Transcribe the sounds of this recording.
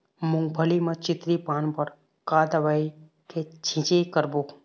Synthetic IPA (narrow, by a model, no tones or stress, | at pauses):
mʊ̃ŋɡbʱəlimãt͡ʃɪt̪ɾipanpəɾ | kad̪əʋai | kʰet͡ʃʰĩt͡ʃekəɾbo